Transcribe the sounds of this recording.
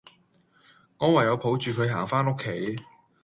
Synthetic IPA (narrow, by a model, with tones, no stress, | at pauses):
ŋɔː˨˧wɐ˨˩jɐ˨˧wpʰo˨˥wt͡ʃyː˨kʰɵ˨˧ɥɦaː˨˩ŋfaː˥no˥kʰːe˨˥j